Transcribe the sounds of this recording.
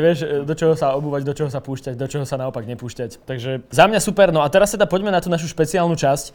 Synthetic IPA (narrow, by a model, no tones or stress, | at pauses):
ʋɪɛʃd̪ɔt͡ʃɔɦɔsaɔbuːʋaɟd̪ɔt͡ʃɔɦɔsapuːʃcaɟd̪ɔt͡ʃɔɦɔsanaɔpaɡɲɛpuːʃcact̪aɡʒɛzamɲasupɛɾnɔat̪ɛɾast̪ɛd̪apɔɟmɛnat̪uːnaʃ̬uʃpɛt͡siaːlnut͡ʃasc